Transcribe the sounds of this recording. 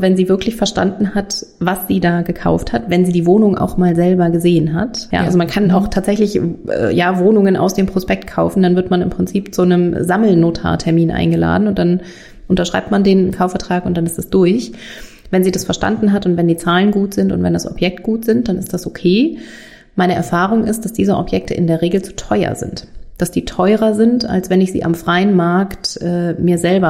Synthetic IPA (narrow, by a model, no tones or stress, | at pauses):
vɛnziːvɪɐklɪçfɛɐʃta̰ndn̩hat | vasz̥iːdaːɡəkʰa̰ʊfthatvɛnziːdiːvoːnʊŋʔa̰ʊxmaːlzɛlbɐɡəzeːənɦa̰tja̰ːʔa̰lzomankʰanaʊxtʰaːtz̥ɛçlɪçʔɛ̰ːjaːvoːnʊŋənʔa̰ʊsd̥eːmpʁ̥ospɛk̚tkʰaʊfn̩d̥anvɪɐtmanɪmpʁ̥ɪnt͡siːpt͡sunəmzaml̩noːtʰa̰ːtʰɛɐmiːnʔa̰ɪnɡəla̰ːdn̩ʊnt̚d̥an | ʔʊntɐʃʁ̥a̰ɪp̚tmandeːnkʰaʊfɛɐtʁ̥aːkʊntd̥anɪstd̥asd̥ʊɐç | vɛnziːdasfɛɐʃta̰ndn̩ɦatʊntv̥ɛndiːt͡saːlənɡuːtz̥ɪntʊntv̥ɛndasɔ̰pjɛk̚t̚ɡ̥uːtz̥ɪnt̚d̥anɪstd̥asʔokʰeː | maɪnəʔɛ̰ɐfaːʁ̞ʊŋʔɪstd̥asd̥iːzəʔɔ̰pjɛk̚tʰə̰ʔɪ̰ndeːɐʁeːɡl̩t͡su̥tʰɔʏɐ̰zɪ̰ntd̥asd̥iːtʰɔʏʁɐzɪnta̰lsv̥ɛnɪçz̥ḭːʔa̰mfʁ̥aɪənmaɐktʔɛːmiːɐzɛlbɐ